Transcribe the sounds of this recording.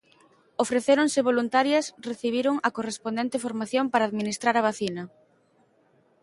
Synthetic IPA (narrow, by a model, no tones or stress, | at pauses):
ofɾeθeɾoŋsɪβolunt̪aɾjɐsreθiβ̞iɾoŋɐkorespond̪ent̪ɪfoɾmaθjompaɾaːðminist̪ɾaɾɐβ̞aθinɐ